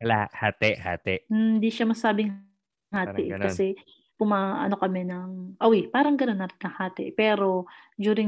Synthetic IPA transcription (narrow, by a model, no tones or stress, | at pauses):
kɐlaʔhaːt̪ɛʔha̰ːt̪ɛʔm̩nd̪iʃamɐsaːbɪŋ | haːt̪ɪʔkɐsɛ | pʊmaːʔɐ̰no̞kɐmɛnɐŋʔowɪpaːɾɐŋɡɐno̞nːɐɾnɐŋhaːt̪ɛ̰ʔpɛːɾo̞d͡ʒ̪uːɾɪŋ